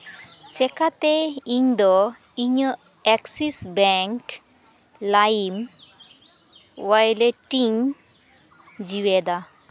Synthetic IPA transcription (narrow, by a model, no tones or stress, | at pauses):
t͡ʃɛkat̪ɛiɲd̪ɔ | iɲə | ɛksisbɛŋk | lajim | wajlɛʈiɲ | d͡ʒiwɛd̪a